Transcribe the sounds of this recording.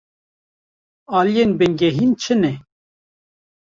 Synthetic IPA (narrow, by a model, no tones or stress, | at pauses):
ɑːlijenbɛŋɡɛɦiːnt͡ʃʰɨnɛ